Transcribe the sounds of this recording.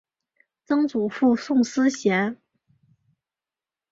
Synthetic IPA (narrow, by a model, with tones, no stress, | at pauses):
t͡sɤ˥ŋt͡su˨˩fu˥˧sʊ˥˩ŋsɹ̩˥ɕjɛ˧˥n